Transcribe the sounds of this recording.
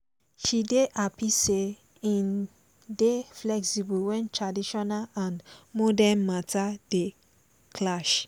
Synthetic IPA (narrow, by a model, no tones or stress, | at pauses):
ʃideʔapise | ĩn | deflɛksibuwɛ̃ntɹadiʃɔnalãnmɔdɛnmatade | kʰlaʃ